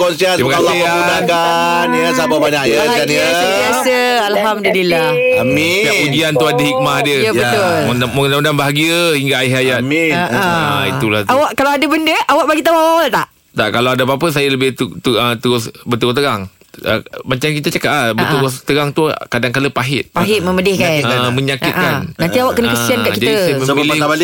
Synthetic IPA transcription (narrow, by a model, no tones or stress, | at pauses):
kɔnsiadimakaslaɪauaka | njəsababaɲakja | anə | iasə | alɦamdulilah | amilaudiant̪uadaɦik̚mahdiəjaət̪ʊl | amdamədanbaɦaɡiəhiŋɡaːɪɦajat̪̚miaaḭt̪ulaawaʔkalawadəbəndəʔawaʔbaɡit̪aawawat̪aʔ | t̪aʔkalawadabapəs̬ajələbɪht̪ut̪uət̪əɾʊsbət̪uɡʊht̪əɾaŋ | ə̰mat͡ʃamkit̪ət͡ʃəkat̪labəʔ̪uɣʊst̪əɾaŋt̪ukadaŋkaləpaɦɪt̪̚paɦɪt̪̚məmədɪhkanməɲakɪt̪̚kannant̪iawaʔkənəkəsiankaʔkid͡ʒat̪diajəmə̃milɪaba